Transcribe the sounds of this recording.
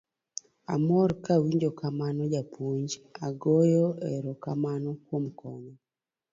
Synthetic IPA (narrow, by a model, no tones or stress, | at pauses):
a̰mɔɾkawiɲd͡ʒokamanɔd͡ʒapʰuɲd͡ʒaɡɔjɔɛɾɔkamanɔkwomkʰɔɲɔ